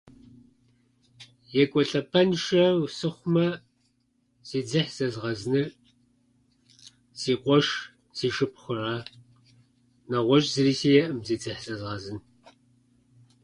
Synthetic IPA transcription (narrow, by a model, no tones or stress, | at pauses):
jɛkʷʼɔɬɐpʰɐnʃɐsɨχʷʊmɐ | z̥iːd͡zɨħz̥ɐzʁɐznɨr | z̥iːqʷʼɔʃ | z̥iːʃɨp̚ʰχʷʊraː | nɐʁʷɔʒʼzɨriːsiːjɛʔɨmziːd͡zɨħzɐzʁɐzɨn